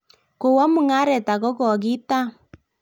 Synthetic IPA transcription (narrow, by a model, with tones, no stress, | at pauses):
ko˨wɔ˦mu˨ŋa˦ɾɛ˨ta˨ɣɔ˦ɣɔ˨ɣi˦ta˦